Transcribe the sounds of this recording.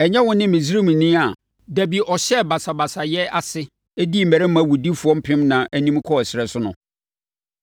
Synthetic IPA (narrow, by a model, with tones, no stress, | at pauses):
ɛ˨ɲɛ̃˦wʊ̃˦nɪ̃˦mɪ̃˨s̬i˦ɾi˦mũ˨nĩ˦a˨ | dæ˨bi˨ʔɔ˨ɕɛ˦ba˨sa˨ba˨sa˨jɛ˦a˨sɪ˦ | e˦di˦m̩˨mɛ˨ɾɪ˦m˦æ̃˨wu˨di˦fʊ˨ɔ̃˦m̩˦pʰɪ̃˦mnã˨ʔæ˦nĩ˦m˦kʰɔ˦˨sɪ˨ɾɛ˨sʊ˦nʊ̰̃˨